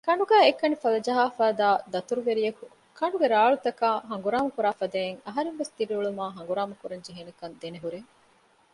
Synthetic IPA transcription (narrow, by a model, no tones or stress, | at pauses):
kɐɳɖuɡæːekːɐnifɐlɐd͡ʒɐɦaːfaːd̪aːd̪ɐt̪uɾuʋeɾijɐku | kʰɐɳɖuɡeɾaːɭut̪ɐkaːɦɐŋɡuɾaːmɐkuɾaːfɐd̪eːeŋɐɦɐɾeŋʋest̪ibiuɭumaːɦɐŋ̆ɡuɾaːmɐkuɾɐɲd͡ʒiɦenɐkɐnd̪eneɦuɾeŋ